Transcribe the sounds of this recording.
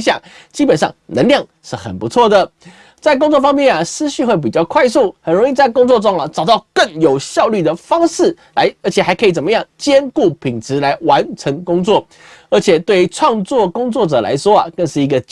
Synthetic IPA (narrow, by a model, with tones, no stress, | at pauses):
ɕjɑ˨˩˦ŋt͡ɕi˥pə˨˩nʂɑ̰˥˩ŋnə˧˥ŋljɑ˥˩ŋ | ʂɻ̩˥˩xə̰˨˩npu˧˦t͡sʰwɔ˥˩d̪ə˩ | t͡sa˥˩ɪk̬ʊ˥ŋt͡swɔ˥˧˩fɑ˥ŋmjɛ˥˩nɐ˩sɹ̩˥ɕy˥˧xwe˥˩ɪp̬i˨˩t͡ɕjɑ˥˧ʊkʰwa˥˧ɪsu˥˩xə˨˩nɻo˧˥ŋi˧t͡sa˥˩ɪkʊ˥ŋt͡swɔ˥˧ʈ͡ʂʊ˥ŋɐ˨ʈ͡ʂɑ˨˩ʊt̪ɑ˥˧ʊkə˥˩ŋjo˨˩ʊɕjɑ˥˧ʊly˥˩d̪ə˩fɑ˥ŋʂɻ̩˥˩ | la˧˥ɪə˧˥t͡ɕʰjɛ˨˩xa˧ɪkʰɤ˧˥i˨˩t͡sə˨˩nmə˧˦jɑ˥˩ŋt͡ɕjɛ˥nku˥˩pʰi˨˩ŋt͡s̩ʰ˧˥la˧˥ɪwa˧˥nʈ͡ʂʰə˧˥ŋkʊ˥ŋt͡swɔ˥˩ | ə˞˧˥t͡ɕʰjɛ˨˩t̪we˥˩y˧˥ʈ͡ʂʰwɑ˥˧ŋt͡swɔ˥˨kʊ˥ŋt͡swɔ˥˩ʈ͡ʂɤ˨˩lʔa̰˧˥ɪʂwɔ˥ɐ˨˩kə˥˧ŋʂɻ̩˥˩i˧˥ɡə˧t͡ɕ